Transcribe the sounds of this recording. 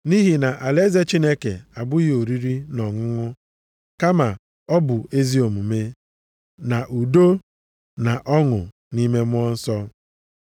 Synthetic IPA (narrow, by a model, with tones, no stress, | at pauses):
ni˦ɦi˨na˨ʔa˨le˦ze˦t͡ʃi˦ne˦kḛ˨a˨bʊ˦jo˨ɾi˦ɾi˦nɔ˨ŋʊ˦ŋʊ˦ | ka˦ma˨ | ɔ˦bʊ˨e˦zi˦o˨mu˨me˦ | na˨ʔu˨do˦ | na˨ʔɔ˦ŋʊ̰˨ | ni˦me˦mʊ˦ɔ˦n̩˦sɔ˦